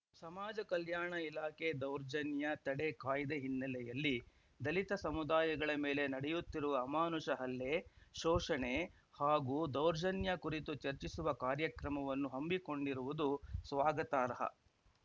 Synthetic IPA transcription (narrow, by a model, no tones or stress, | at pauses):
sɐmaːd͡ʒɐkɐljaːɳɐilaːkʰed̪ɐwɾd͡ʒɐnjɐt̪ɐɽekaːjd̪eɦinːɐlɛjɐlːi | d̪ɐlit̪ɐsɐmud̪aːjɐɡɐɭɐmeːle̞nɐɽɛjut̪ːiɾuʋɐːmaːnuʂɐɦɐlːe̞ʃɔːʂɐɳe | haːɡuːd̪ɐwɾd͡ʒɐnjɐkuɾit̪ut͡ʃɐɾt͡ʃisuʋɐkaːɾjɐkɾɐmɐʋɐnːuɦɐmbiko̞ɳɖiɾuʋud̪usʋaːɡɐt̪aːɾɐɦɐ̰